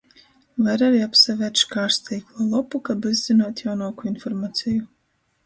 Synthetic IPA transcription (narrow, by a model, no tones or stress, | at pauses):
vaɾaɾiːapsavʲɛʃkaːɾst̪iːklˠɔːlˠɔpukabɨzʲzinaːt̪jawnuɔkuinfɔɾmaːt̪siju